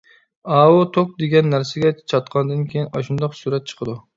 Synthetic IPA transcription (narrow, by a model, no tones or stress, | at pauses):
ɑwot̪ʰok̚d̪eɡʲɛnːæɾsɪɡʲɛt͡ʃʰɑt̪qʰɑnd̪ɨnkʲʰejinɑʃund̪ɑqsuɾɛt̪̚t͡ʃʰə̥qʰəd̪u